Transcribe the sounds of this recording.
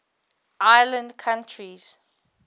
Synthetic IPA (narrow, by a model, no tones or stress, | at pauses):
ʔajlə̃ndkʰãntʰɹiz̥